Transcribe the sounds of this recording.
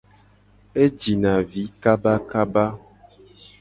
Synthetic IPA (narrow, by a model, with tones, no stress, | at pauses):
e˦d͡ʒi˨nã˨vi˨˦ka˦ba˦ka˦ba˦